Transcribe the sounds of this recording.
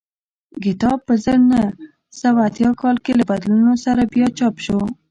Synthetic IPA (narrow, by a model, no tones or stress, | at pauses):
ɡɪt̪ɑpːəzəɾnə | sawat̪jɑkɑlkelabad̪lunosaɾabjɑt͡ʃɑpʃo